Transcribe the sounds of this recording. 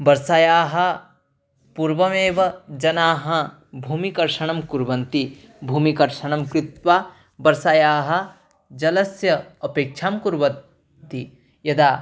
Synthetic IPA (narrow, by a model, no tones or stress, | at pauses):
bɐɾsaːjaːɦɐ | puɾʋɐmeːʋɐd͡ʒɐnaːɦɐ | bʱuːmikɐɾʃɐɳɐmkuɾbɐnt̪i | bʱuːmikɐɾʃɐɳɐmkɾɪt̪ʋaː | bɐɾsaːjaːɦɐ̆ | d͡ʒɐlɐsjɐɐpeːk̚t͡ʃʰaːmkuɾbɐ | t̪i | jɐd̪aː